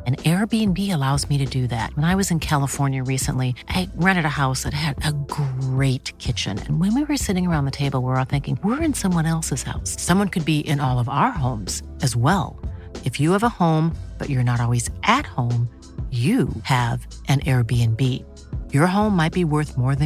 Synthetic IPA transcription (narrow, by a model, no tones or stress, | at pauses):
ɨ̃nɛɹbiɨ̃nbiɨlaʊzmiɾɨdɨðæ̰t̚wə̃ñaɪwʌzɨ̃nkʰælˠəfɔɹnjɨɹisə̰̃nliʔaɪɹæ̃ɾ̃ɨɾɨhaʊsðɨtɦɨɾɨɡɹeɪt̚kʰɪt͡ʃɨ̰̃nɨ̰̃nwɨ̃nwiwə˞sɪɾɪ̃ŋə˞ãʊ̃nðɨtʰeɪbl̩ˠwə˞ɔθɪ̃ŋkɪ̃ŋwɪɹɨ̃nsʌ̃mwʌ̃nɛlˠsɨz̥ha̰ʊsːʌ̃mwʌ̃nkʰɨd̚biʔɪ̃nɔlˠʌvaʊə˞ɦõʊ̃mz̥ | ɨzwɛ̰lˠ | ɨfjɨːvəhõʊ̃mb̥ʌ̰t͡ʃə˞nəɾɔlˠwizʔɨt̚hõʊ̃m | jɨɨv | ʔɨ̃nʔɛɹbiɨ̃nbi | jə˞ɦõʊ̃mːaɪt̚b̥iwɜ˞θmɔɹðɨ̃